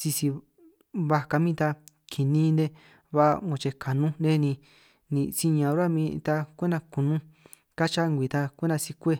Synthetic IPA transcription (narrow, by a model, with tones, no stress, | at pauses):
si˧si˧ | βa˧ka˧mĩ˦t̪a˧ | kʰi˨nĩː˦nd̪e˧ | βa̰˦˧ŋõ˧t͡ʃe˧kʰa˨nũ˦de˦nĩ˧ | nĩ˧si˧ɲã˧˨˧ɾa˦mĩ˧t̪a˧kʷe˦nã˧kũ˨nũ˦ | ka˦t͡ʃa˦˧ŋɡʷi˨˧t̪a˧kʷe˦ndã˧si˧kʷe˦